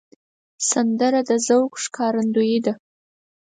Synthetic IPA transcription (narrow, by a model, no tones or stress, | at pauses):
sand̪əɾad̪əzawkʂkʰɑɾand̪ujid̪a